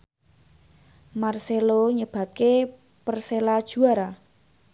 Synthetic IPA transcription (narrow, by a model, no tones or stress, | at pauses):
marseloɲəb̥ä̤p̚ke | pərselad̥ʒ̥ṳaɾa